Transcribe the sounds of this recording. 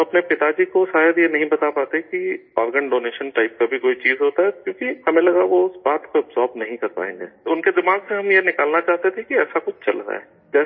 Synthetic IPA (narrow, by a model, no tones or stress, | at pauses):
ɐpnepɪt̪ad͡ʒikoʃaːjəd̪jenɐɦĩbɐt̪apaːt̪ekiɔːɾɡəɳɖoːneːʃənʈaɪp̚ːɐbʱikoːit͡ʃiːzɦoːt̪aɦɛkjõːkihɐmẽlɐɡaʋoʊsbaːt̪koɐbzɔːɾbnɐɦĩkɐɾpa̰ːɦḛ̃ːŋɡḛːʊnked̪ɪmaːɡseɦɐmjenɪkaːlnat͡ʃaːɦt̪et̪ʰẽkiɛːsakʊt͡ʃʰt͡ʃɐ̰lɾa̰ɦɛ̰ː | d͡ʒɛːs